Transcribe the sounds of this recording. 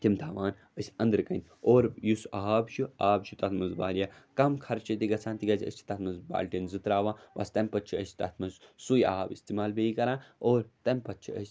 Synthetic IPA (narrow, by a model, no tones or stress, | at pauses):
t̪imt̪ʰaːʋaːn | əsʲɐ̃nd̪ɾɨkɐnʲoːɾjusaɦaːbʃuaːbʃʰut̪ɐt̪ʰmɐnzba̰ːlʲjakɐmkʰɐɾt͡ʃʰit̪iɡɐt͡sʰãːnt̪iɡɐzʲə̰sʲt͡ʃʰi̥t̪ɐt̪ʰmɐzba̰ːlʲʈinzɨt̪ɾaːʋãːbɐ̰st̪ɐmʲpɐt̚t͡ʃʰiəsʲt̪ɐt̪ʰmɐzsuja̰ɦaːbist̪imaːlbeikɐɾãːoːɾt̪ɐmʲpɐt̪̚t͡ʃʰiə̰sʲ